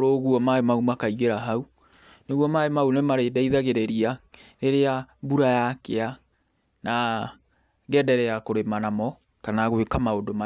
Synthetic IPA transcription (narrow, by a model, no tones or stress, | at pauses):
ɾoɣuɔmaemaumakaiɣeɾaɦau | neɣwɔmaemaunemaɾedɛiðaɣeɾɛɾiaɾeɾeabuɾajakea | na | ɣɛdɛɾɛakoɾemanamɔ | kanaɣwekamaodoma